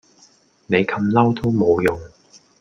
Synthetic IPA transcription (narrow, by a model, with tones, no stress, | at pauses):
ne˨˧jkʰɐ˧mlɐ˥wt̪o˥wmo˨˧wjʊ˨ŋ